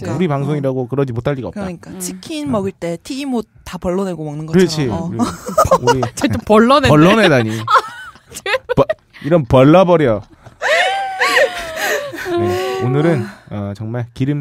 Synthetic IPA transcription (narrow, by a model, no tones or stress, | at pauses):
uɾipaŋsʰoŋiɾaɡokɯɾʌd͡ʑimotʰaʎːiɡa̰ːkɯɾ͈ɲik͈at͡ɕʰikʰinmʌɡɯɭt͈e̞tʰiɡimo | tapʌɭːʌne̞ɡomʌŋnɯnɡʌɯɾʌt͡ɕʰi | uɾit͡ɕeopʌɭːʌneʌɭːʌnedaɲi | p | iɾʌnpʌɭːabʌɾjʌ | jeonɯɾɯnʌt͡ɕʌŋmaɭkiɾɯm